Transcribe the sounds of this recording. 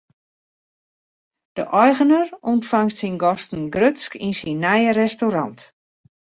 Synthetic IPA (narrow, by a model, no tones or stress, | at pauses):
d̥ə̰ʔɔjɣənərɔntfaŋtsinɡɔstn̩ɡrøskinsinːɛjərɛstoɾɑnt